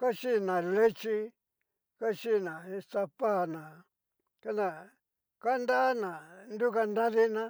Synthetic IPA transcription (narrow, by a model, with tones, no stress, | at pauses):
ka˦ʃi˦nã˨le˦t͡ʃi˧ | ka˦t͡ʃi˦˨nã˨e˧t̪a˧pa˦˨nã˨ | ka˦nd̪ã˧ | ka˦nd̪a˦nã˨nd̪u˦ka˧nd̪ã˦ði˦nã˦